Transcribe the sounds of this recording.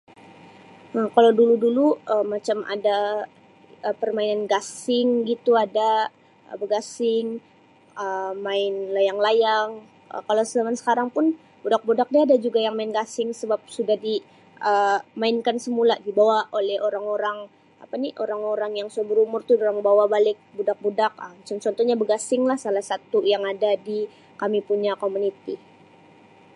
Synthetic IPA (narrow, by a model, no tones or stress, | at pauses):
əkalawduluduluəmat͡ʃamʔa̰da | əpərmainanɡasɪŋɡit̪uada | ə̰bəɡasɪŋ | əmaɪnlajaŋlajaŋ | ə̰kalawsəlamansə̥kaɾaŋpʊn | bodak̚bodak̚diadad͡ʒuɡajaŋmaɪnɡasɪŋsəbap̚sudahdi | ʔəmaɪnkansəmuladibawaʔolɛhoɾaŋoɾaŋ | apaniʔoɾaŋoɾaŋjaŋsuabəɾumʊrt̪ʊdoɾaŋbawabalɪk̚budak̚budak̚əmt͡ʃɔnt͡ʃɔnt̪ɔhɲabəɡasɪŋlahsalahsat̪ujaŋadadi | kamipuɲakomunit̪i